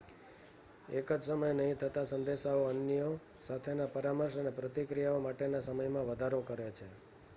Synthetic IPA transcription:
ekəd͡ʒsəməjnəɦĩt̪ʰət̪asənd̪eʃaoənjo | sat̪ʰenapəɾaməɾʃənepɾət̪ikɾijaomaʈenasəməjmãʋəd̪ʱaɾokəɾet͡ʃʰe

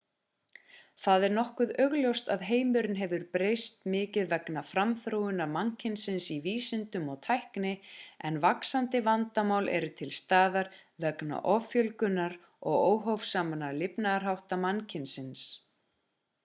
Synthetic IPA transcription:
θaðɛɾnɔhkʏðœɣljowst̪aðɦeːjmʏɾɪnɦɛvʏɾpɾejst̪mɪːcɪðvɛknafɾamθɾoːwʏnamancʰɪnsɪnsiviːsʏnt̪ʏmɔɣt̪ʰajhknɪɛnvaksant̪ɪvant̪amaːwlʔɛ̰ɾʏt̪ʰɪlst̪aːðaɾvɛkna̰ʔɔfjœlkʏnːaɾ | ɔɣoːwɦowfsaːmanalɪpnaðaɾ̥ɦawht̪amancʰɪnsɪns

